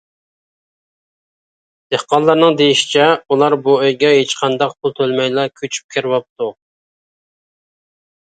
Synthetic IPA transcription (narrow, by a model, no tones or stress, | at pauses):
d̪̥ehqɑnlːˠɑɾnɨŋd̪ejiʃi̥t͡ʃʰɛulˠɑɾbuøjɡʲɛɦet͡ʃqʰɑnd̪ɑq̚pʰulˠt̪ʰølmɛjlɑkʲʰøt͡ʃʰy̥p̚kʲʰeɾwɑp̚t̪u